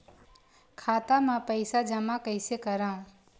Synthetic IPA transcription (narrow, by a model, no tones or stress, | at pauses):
kʰaːt̪amãpəɪsad͡ʒəmakəɪsekəɾãːũ